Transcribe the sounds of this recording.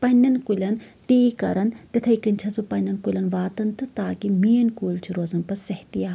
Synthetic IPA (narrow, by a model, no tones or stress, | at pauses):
pɐnʲːɐnkulʲɐnt̪iːkɐ̰ɾɐnt̪ɐt̪ʰɐikɨnt͡ʃʰɐsbɨpɐnʲːɐnkulʲɐnʋaːt̪ɐnt̪ɨt̪aːkimijɐnkuːlʲt͡ʃʰiɾozɐnpɐsɐht̪ijaː